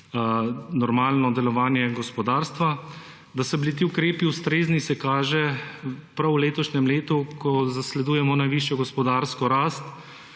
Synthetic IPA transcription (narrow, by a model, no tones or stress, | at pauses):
nɔɾmaːlnɔd̪ɛlɔʋaːnjɛɡɔspɔd̪aːɾst̪ʋa | d̪asɔblit̪iukɾeːpiust̪ɾeːznisɛkaːʒɛpɾawleːt̪ɔʃnɛmleːt̪ukʰɔzaslɛd̪uːjɛmɔnajʋiːʃjɔɡɔspɔd̪aːɾskɔɾaːst̪